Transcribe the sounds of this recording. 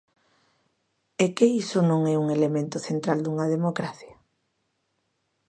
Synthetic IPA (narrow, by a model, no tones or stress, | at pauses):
ekeisʊnõŋɛuŋelemẽnt̪ʊθent̪ɾald̪uŋɐð̞emokɾaθjɐ